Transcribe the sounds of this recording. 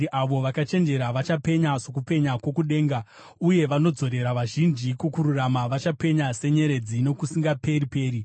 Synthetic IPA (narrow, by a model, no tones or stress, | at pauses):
iʔaʋo̞ʋakat͡ʃe̞nd͡ʒe̞ɾaʋat͡ʃape̞ɲaso̞kupe̞ɲakwo̞kuɗe̞ːŋɡa | uje̞ʋano̞d͡zo̞ɾe̞ɾaʋaʒind͡ʒikukuɾuramaʋat͡ʃape̞ɲase̞ɲe̞ɾe̞d͡zino̞kusiŋɡape̞ɾipe̞ːɾi